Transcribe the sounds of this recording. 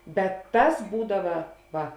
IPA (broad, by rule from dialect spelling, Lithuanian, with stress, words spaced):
bʲɛt ˈtɐs ˈbuːdɐʋɐ ˈʋɐ